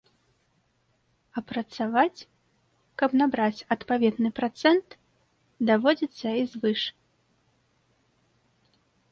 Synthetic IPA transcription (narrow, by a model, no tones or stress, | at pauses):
ɐpɾɐt̪savat͡sʲ | kɐbnabɾat͡sʲɐt̪pavʲɛd̪nɨpɾat̪sɛnt̪ | d̪avɔd͡zʲit̪sːɐizvɨʂ